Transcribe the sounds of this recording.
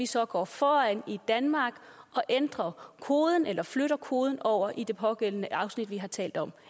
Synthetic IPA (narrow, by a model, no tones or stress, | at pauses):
ʋisɒ̽ɡ̥ɒ̰ːfɒːænid̥ænmɑ̈ːɡ̥ɒ̽ʔend̥ʁɐkʰo̝ːð̞ˠən̩elɐfløɾɐkʰo̝ːð̞ˠn̩ɒʊ̰ɐʔid̥e̝pʰɒ̽ɡ̥el̰ən̩əʔɑ̈ʊsnid̥ʋiɦɑ̈t͡sʰɛ̰ːld̥ɒ̽m